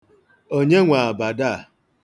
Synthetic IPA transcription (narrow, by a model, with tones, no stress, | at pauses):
o˦ɲe˦ŋʷa˨a˨ba˨da˦˨